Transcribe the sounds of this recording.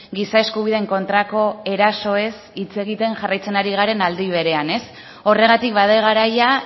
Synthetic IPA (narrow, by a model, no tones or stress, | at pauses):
ɡisae̞skuβ̞iðe̞ŋko̞nt̪ɾako̞e̞ɾaso̞e̞sit͡se̞ɣ̞it̪e̞ŋʝarajt͡se̞naɾiɣ̞aɾe̞nald̪iβ̞e̞ɾe̞ane̞s | o̞re̞ɣat̪ikbað̞eɣ̞aɾaja